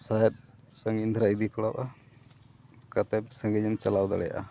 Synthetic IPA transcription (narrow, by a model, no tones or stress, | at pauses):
sajɛt̪̚ | səŋind̪ʱɾaid̪ikɔɽawʔa | kat̪ɛjp̚səŋɡɛɲɛmt͡ʃalawd̪a̰ɽɛja̰ʔa